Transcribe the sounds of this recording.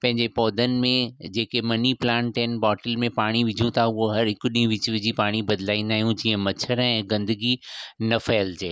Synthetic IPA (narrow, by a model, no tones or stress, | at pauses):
pɐ̃ɦɪ̃ɲd͡ʑepɔːd̪ʱənɪ̆mẽd͡ʑeːkemɐniplãːɳʈɦɪnɪ̆bɔːʈəlmẽpaːɽ̃iʋɪd͡ʑʱũt̪ʰaʊɦoɦɐɾɦɪkʊɗĩũʋɪt͡ɕʋɪd͡ʑʱipaːɽ̃ibɐd̪laːĩnd̪aːɦijũd͡ʑiːə̃mɐt͡ɕʰəɾɛ̃ːɡɐ̃nd̪əɡinɐfɐːəld͡ʑeː